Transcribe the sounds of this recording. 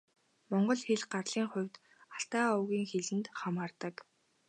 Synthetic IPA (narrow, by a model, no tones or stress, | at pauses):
mɔɴɢɞ̆ɮxeɮɢarɮiːŋχʊ̟wʲt̪ | aɬt̪aːʊwɣʲiːŋxeɮɘ̆nt̪χamaːrt̪ə̆k